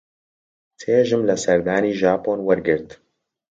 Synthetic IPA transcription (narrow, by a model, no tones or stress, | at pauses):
t̪ʰeːʒɨmlɐsɛɾd̪aːniːʒaːpoːnwɛɾɡɨɾt̪